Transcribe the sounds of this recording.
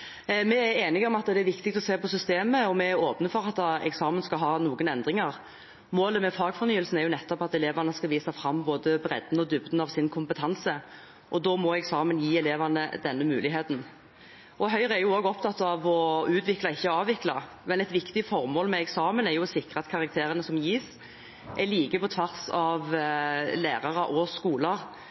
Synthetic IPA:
mɛæɾeːnɪɡɔmɑt̪ːd̪ɛæɾʋɪkt̪ɪk̚t̪ɔseːpɔsʏst̪eːməɔmɛæɾoːpnəfɔɾɑt̪ːɛ̰ksɑːmənskɑɦɑːnuːɡənɛnd̪ʁɪŋɑʁ | moːləmɛfɑːɡfɔʁnyːəlsn̩ɛɾjʊnɛt̪ːɔpɑt̪ɛleːʋɑnəskɑʋiːsɑfɾɑmːboːd̪əbɾɛ̰d̪n̩ɔd̪ʉbd̪n̩ɑʋsɪnkʰʊmpət̪ʰɑnsə | ʔɔd̪ɔmɔɛksɑːmənjiːɛleːʋɑnəd̪ɛnːəmʉːlɪɦeːt̪n̩ | ʔɔɦœʏʁəæɾjʊoːɡɔpt̪ʰɑt̪ːɑʋɔʉːt̪ʋɪklɑɪçːəɑːʋɪklɑ | mɛnɛt̪ʋɪkt̪ɪfɔʁmoːlmɛɛksɑːmənɛɾjʊsɪkʁəɑt̪kʰɑʁɑk̚t̪ʰeːɾənəsɔmjiːs | ʔɛliːkəpɔt̪ʰʋæʁsɑʋ | læːʁɑʁəʔɔskuːləʁ

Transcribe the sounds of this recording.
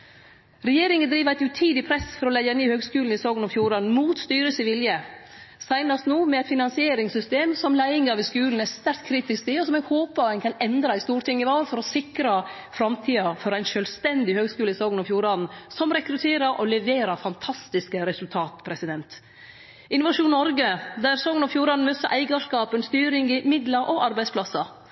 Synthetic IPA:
ɾɛjeːɾɪŋənd̪ɾiːʋæɪt̪ʉt̪ʰiːd̪ɪpʰɾɛsfɔɾɔlɛɪəniːhøːɡskʉːln̩ɪsɔːɡənɔfjuːɾɑːn̩muːt̪st̪yːɾəsəʋɪljə | sæɪnɑst̪nuːmɛɛɪt̪fɪnɑnsɪeːɾɪŋsʏst̪eːmsɔmlæɪɪŋɑʋɪskʉːln̩æst̪æɾkt̪kʰɾiːt̪ɪst̪ɪɔsɔmɛɡhoːpɑənkʰɑnɛnd̪ɾɑɪst̪uːɾʈ̪ʰɪŋːəʋɑːlfɔɾɔsɪkɾɑ | fɾɑmt̪ʰiːɑfɔɾæɪnʃœlst̪ɛnd̪ɪhøːɡskʉːləɪsɔːɡənɔfjuːɾɑnn̩sɔmɾɛkɾʉt̪ʰeːɾɑɾʔɔlɛʋeːɾɑɾfɑnt̪ʰɑst̪ɪskəɾɛsʉlt̪ʰɑːt̪pʰɾɛsɪd̪ɛnt̪ | ɪnʊʋɑʂuːnnɔɾɡəd̪æɾsɔːɡənɔfjuːɾɑnn̩møsə̰ʔæɪɡɑʂkɑːpənst̪yːɾɪŋɪmɪd̪lɑɾʔɔʔɑɾbæɪspʰlɑsɑ

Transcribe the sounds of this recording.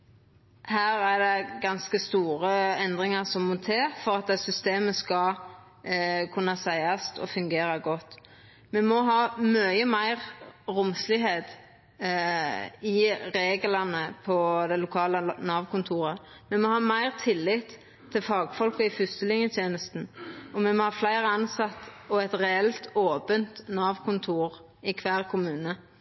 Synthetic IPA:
hæːʁæd̪ɛɡɑnskəst̪uːʁəɛnd̪ʁɪŋɑʁsɔmːɔt̪ʰeːfɔɾɑt̪̚d̪ɛsʏst̪eːməskɑ | kʰʉnːɑsæɪɑst̪ʰɔ̰fʉŋɡeːɾɑɡɔt̪ː | mɛmɔɦɑːmœʏəmæɪʁʁʊmslɪɦeːd̪ | ɪɾeːɡəlɑnəpʰɔd̪ɛlʊkʰɑːlənɑːʋkʰʊnt̪ʰuːɾə | mɛmɔhɑːmæɪʁt̪ʰɪlːɪt̪ʰː | ɪlfɑːɡfɔlkɔɪfʏst̪əlɪŋjət̪ʰjeːnəst̪n̩ɔmɛmɔhɑːflæɪʁəɑnsɑt̪ːɔɛt̪ʁɛɛlt̪oːpənt̪nɑːʋkʰʊnt̪ʰuːʁ | ɪkʰʋæːʁkʰʊmʉːnə

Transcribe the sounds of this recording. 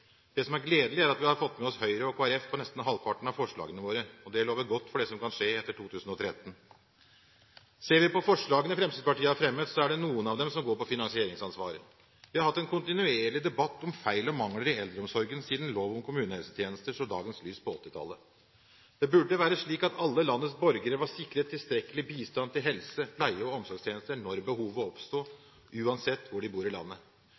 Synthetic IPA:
d̪̥ɛsɔmæɾɡleːd̪əlɪæɾɑt̪ʋɪhɑɾfɔt̪ːmɛɔshœʏɾəɔkʰoːæɾɛfpʰɔnɛst̪n̩ɦɑlpʰɑʈn̩ɑʋfɔʂɭɑ̰ːɡənəʋoːɾəɔd̪ɛloːʋəɾɡɔt̪ːfɔɖɛsɔmkʰɑnʂeːɛt̪ːəʈʰuːt̪ʰʉːsən̩ɔt̪ʰɾɛt̪ːən̩ | seːɾʋɪpɔfɔʂɭɑːɡənəfɾɛmst̪iːd̪̚pɑʈiːəæɾfɾɛmːəd̪sɔæɖɛnuːənɑʋd̪ɛmsɔmɡoːɾpɔfɪnɑŋsɪeːɾɪŋsɑnsʋɑ̰ːɾə̰ | ʋɪhɑɾhɑt̪ːɛnkʰʊnt̪ɪnʉeːɭɪd̪ɛbɑt̪ːɔmfæɪlɔmɑŋləɾɪɛld̪ɾəɔmsɔɾɡənsiːd̪n̩loːʋɔmkʰʊmʉːnəhɛlsə̥t̪ʰjeːnəst̪əʂɔd̪ɑ̰ːɡənslyːspɔɔt̪ːɪt̪ʰɑ̰lːə | d̪̥ɛbʉɖːəʋæːɾəʂɭiːkɑt̪ʰɑlːəlɑnːət̪s̬bɔɾɡəɾəʋɑsɪkːɾət̪ʰːɪlst̪ɾɛkːəlɪbiːst̪ɑnt̪ɪlɦɛlsəpʰlæɪəɔɔmsɔɾɡʂt̪jeːnəst̪ənɔɾbəhuːʋəɔpst̪uː | ʔʉːɑnsɛt̪ːʋʊɖɪbuːɾɪlɑ̰nːə

